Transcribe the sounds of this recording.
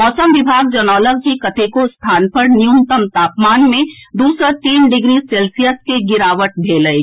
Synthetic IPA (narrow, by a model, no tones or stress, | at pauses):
ɔːsəmʋɪbʱaːɡd͡ʒənɔːləɡ̚kikɐt̪ʰekost̪ʰaːnpəɾnɪjumt̪əmt̪aːpmaːnmẽd̪uːsɾət̪iːnɖɪɡɾiseːlsijəskeɡɪɾaːʋəʈ̚bʱeːləe